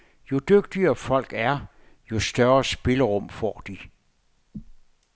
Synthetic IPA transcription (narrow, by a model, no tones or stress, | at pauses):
jo̝d̥øɡ̥̚d̥iɐfɒ̽l̰ɡ̥æɐ | jo̝sd̥ɶɐɐsb̥e̝ləʁɔm̰fɒ̰ːd̥i